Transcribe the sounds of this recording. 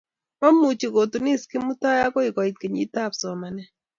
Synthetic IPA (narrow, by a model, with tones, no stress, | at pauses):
mɔ˦mu˨t͡ʃi˨ko˨tu˨ni˦ski˦mu˦ta˦ja˦ko˦i˨kɔ˨i˨t̚ke˨ɲḭ˦ta˦˨psɔ˨ma˨nɛ˦